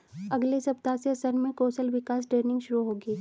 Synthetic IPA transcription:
ɐɡlesɐp̚t̪aːseɐsəɾmẽkoːsəlʋɪkaːs̬ʈeːɾnɪ̃ŋɡʃʊɾuɦoːɡiː

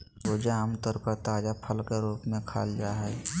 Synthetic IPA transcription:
boːd͡ʒaamt̪əɾpəɾt̪aːd͡ʒapʰəlkeɾuːpmẽkʰa̰ːld͡ʒaːɦɛ

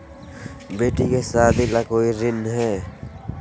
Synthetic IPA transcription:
beːʈikesaːd̪ilakoːiɾɪnɦɛː

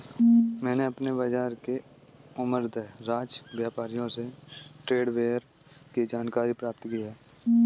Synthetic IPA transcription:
mɛ̃ːneɐpnebəd͡ʒaːɾke | ʊməɾd̪əɾaːd͡ʒbjaːpaːɾijõseʈɾeːɖʋeːəɾ | kid͡ʒaːnkaːɾipɾaːp̚t̪kiɦɛː

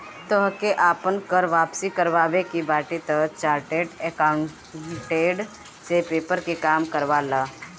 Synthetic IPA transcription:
t̪əɦkeʔaːpənkəɾʋaːpsikəɾʋaːʋekibaːʈit̪ət͡ʃaːɾʈeːʈekaʊɳ | ʈeːɖ | sepeːpəɾkikaːmkəɾʋaːlaː

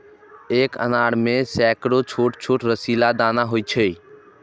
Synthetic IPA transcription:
eːkə̰naːɽmẽsɛːkɽot͡ʃʰoːʈt͡ʃʰoːʈɾəsiːlad̪aːnaɦoːit͡ʃʰeiː

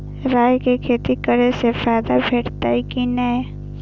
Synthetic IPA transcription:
ɾaːjkekʰeːt̪ikəɾesefaːɪd̪abʱeːʈt̪aikinae

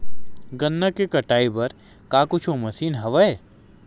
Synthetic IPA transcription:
ɡɐnːakekɐʈaːibɐɾ | kaːkʊt͡ʃʰomɐsiːnɦɐʋaeː

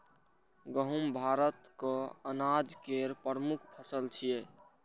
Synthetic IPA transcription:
ɡəɦumbʱaɾət̪kəənad͡ʒkeɾpəɾmukʰpʰəsəlt͡ʃʰije

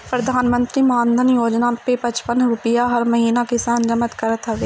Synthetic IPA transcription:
pɾəd̪ʱaːnmə̃nt̪ɾiːmãːnd̪ʱənjoːd͡ʒnapepət͡ʃpənɾupəjaɦɐɾmɐɦiːnakɪsaːnd͡ʒəmət̪kəɾət̪ɦɐʋeː

